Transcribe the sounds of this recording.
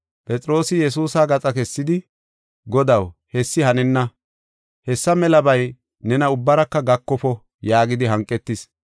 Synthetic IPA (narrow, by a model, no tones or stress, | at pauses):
pʼɛt͡sʼɾo̞ːsɪjɛs̬uːsaːɡɐt͡sʼɐkɛsːɪd̪ɪ | ɡɔd̪ɐwhɛsːɪhɐnɛnːɐ | hɛsːɐmɛlɐbɐj | nɛnɐʊbːɐɾɐkːɐɡɐkːɔpɔ | jaːɡɪd̪ɪɦɐŋkʼːɛt̪ːɪs